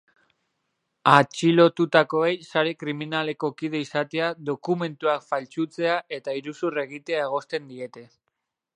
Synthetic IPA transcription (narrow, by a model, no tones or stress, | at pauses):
at͡ʃilo̞t̪ut̪ako̞ejsaɾe̞kɾiminale̞ko̞kiðe̞isat̪e̞aðo̞kume̞nt̪uakfalt͡ʃut͡se̞ae̞t̪aiɾusure̞ɣ̞it̪e̞ae̞ɣ̞o̞st̪e̞nd̪ie̞t̪e̞